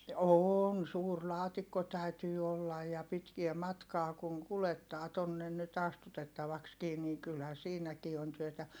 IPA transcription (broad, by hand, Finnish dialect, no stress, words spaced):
oːn suːr lɑːtikːo tæytyː olːɑj jɑ pitkie mɑtkɑː kuŋ kuletːɑː tonːen nyt ɑstutetːɑʋɑkskiː ni kylhæ siːnækiː on tyøtæ